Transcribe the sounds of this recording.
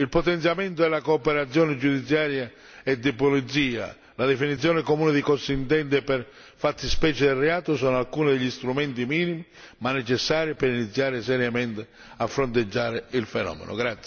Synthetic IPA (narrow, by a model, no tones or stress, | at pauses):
ilpot̪ɛnt̪sjamɛnt̪ʊɛlakoːpɛɾat̪sːjɔːnɪd͡ʒud̪it̪sːjaːɾja | ɛd̪ːipolit̪siːa̰ | lad̪ɛfinit̪sːjɔːnɪkomuːnɪd̪ikɔst̪int̪ɛnd̪ɪpɛr | fat̪ːɪspɛːt͡ʃɪd̪ɛlrːɛaːt̪ʊsɔːnʊalkuːnɪd̪eʎːist̪ɾumɛnt̪imiːnimi | manːɛt͡ʃɛsːaːɾjipɪɾinit̪sːjaːɾɪsɛɾjamɛnt̪ɪ | afːɾont̪̬ed͡ʒːaːɾɪilfɛnɔ̰ːmḛnʔʊ̰ɡɾat̪s